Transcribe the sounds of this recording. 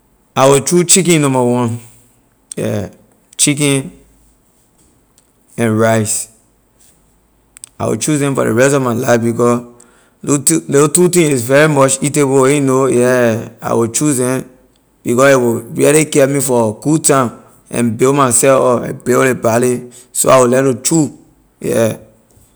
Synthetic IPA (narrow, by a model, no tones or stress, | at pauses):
aɪwit͡ʃut͡ʃikĩnnɔ̃mbawɔ̃n | ɛ̰ | t͡ʃik̬ĩn | ɛ̃nɹaɪs | a̰ɪwḭt͡ʃuzɛ̃mfɔ̰də̰ɹɛstɔvmaɪlaɪfbikɔ | lotutĩŋizvɛɹimɔt͡ʃiteboweinojɛa̰ɪwit͡ʃuzɛ̃m | b̥ikɔsiwiɹilikɛmifɔɡutãm | ɛ̰̃nbemasɛfɔpɛ̰̃belebali | so̰awilɛ̃lut͡ʃu | jɛ̰